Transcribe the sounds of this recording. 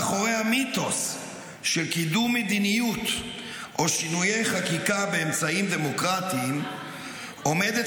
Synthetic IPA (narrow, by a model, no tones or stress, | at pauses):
χo̞ʁehamit̪o̞s | ʃelkid̪umed̪inijut̪ | ʔo̞ʃinuje̞jχakikabeːmt͡saimd̪emo̞kʁat̪iim | o̞med̪e